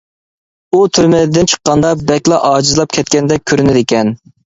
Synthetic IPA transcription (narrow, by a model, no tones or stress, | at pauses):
ut̪ʰyɾmɪd̪ɪnt͡ʃʰə̥qːɑnd̪ɑbɛkʲlˠɑʔɑːd͡ʒizlˠɑp̚kʲʰɛt̪̚kʲɛnd̪ɛk̚ʲʰøɾynɪd̪ɪkʲɛn